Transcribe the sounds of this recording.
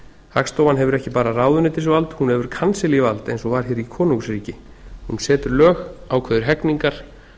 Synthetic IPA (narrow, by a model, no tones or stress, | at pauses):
hakst̪oːwvanɦɛvʏɾɛhcɪpaːɾaraːwðʏnɪt̪ɪs̬valt̪hunhɛvʏɾ̥kʰansɪlivalt̪ejnsɔvaɾ̥çɛːɾikʰɔːnuŋksɾiːcɪ | hunsɛːt̪ʏɾlœːxaːwkʰvɛðʏɾ̥ɦɛkniŋkaɾ̥